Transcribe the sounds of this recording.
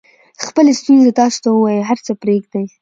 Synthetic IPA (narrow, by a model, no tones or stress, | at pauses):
xpəlest̪unzet̪ɑso̥t̪auwɑjəɦaɾt͡səpɾeɡd̪aj